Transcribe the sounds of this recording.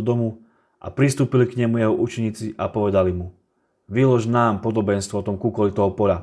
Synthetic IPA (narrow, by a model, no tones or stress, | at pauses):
d̪ɔmu | ʔa̰pɾist̪uːpilikɲɛmujɛɦɔʔut͡ʃɛɲiːt͡siʔapɔʋɛd̪alimu | ʋilɔʒnaːmpɔd̪ɔbɛnst̪ʋɔɔt̪ɔmkukɔlit̪ɔɦɔpɔʎa